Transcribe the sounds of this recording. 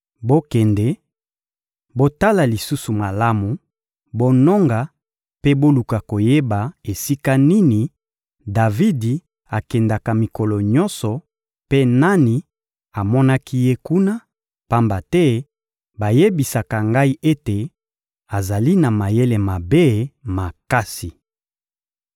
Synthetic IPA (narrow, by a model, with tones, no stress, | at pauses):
bo˦kɛ˨ndɛ˨ | bo˦ta˦la˨li˨su˦su˨ma˨la˦mu˨ | bo˦nɔ˦ŋɡa˨ | pe˦bo˦lu˨ka˨ko˨je˦ba˨e˨si˦ka˦ni˦ni˨ | da˨vi˦di˨ | a˨kɛ˨nda˨ka˨mi˨kɔ˨lɔ˨ɲɔ̃˦nsɔ˨ | pe˦na˦ni˨ | a˨mɔ˦na˦kʰi˦je˦ku˦na˦ | pa˦mba˨tɛ˦ | ba˨je˦bi˨sa˨ka˨ŋɡa˦i˦ʔe˦te˨ | a˨za˨li˦na˨ma˨je˦le˨ma˨be˦ma˨ka˦si˨